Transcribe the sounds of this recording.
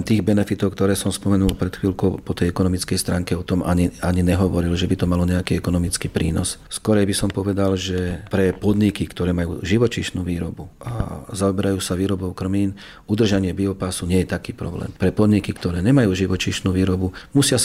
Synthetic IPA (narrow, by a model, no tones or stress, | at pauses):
mt̪iːɣbɛnɛfit̪ɔʊk̚t̪ɔɾɛːsɔmspɔmɛnulpɾɛt̪xʋiːlkɔʊpɔt̪ɛjɛkɔnɔmit͡skɛjst̪ɾaːŋkɛɔt̪ɔmaɲiaɲiɲɛɦɔʋɔɾilʒɛbit̪ɔmalɔɲɛakiːɛkɔnɔmit͡skiːpɾiːnɔsskɔɾɛjbisɔmpɔʋɛd̪alʒɛpɾɛpɔd̪ɲikikt̪ɔɾɛːmajṵːʒiʋɔt͡ʃiʃnuːʋiːɾɔbuʔa̰zaɔbɛɾajuːsaʋiːɾɔbɔʊkr̩miːn | ud̪r̩ʒaɲɪɛbiɔpaːsuɲɪɛjɛt̪akiːpɾɔ̰blɛ̰ːmpɾɛpɔd̪ɲikikt̪ɔɾɛːɲɛmajuːʒiʋɔt͡ʃiʃnuːʋiːɾɔbumusɪa